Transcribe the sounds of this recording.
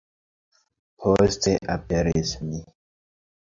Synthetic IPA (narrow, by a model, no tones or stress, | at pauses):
pʰosteʔapeɾismi